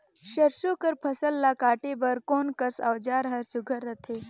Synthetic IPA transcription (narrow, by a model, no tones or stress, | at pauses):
ʃɐɾsokəɾpʰɐsəlːakaːʈebɐɾkoːnkɐsɐwd͡ʒaːɾɦɐsʊɡʱəɾɐt̪ʰeː